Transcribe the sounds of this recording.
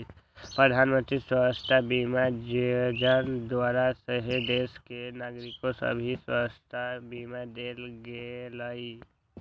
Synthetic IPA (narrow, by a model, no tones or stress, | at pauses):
pɾəd̪ʱaːnmə̃nt̪ɾiswəst̪ʰabimad͡ʒd͡ʒənd̪waːɾasəɦed̪eːskenaːɡɾɪkosə̰bʱiswəst̪ʰabimad̪eːlɡelai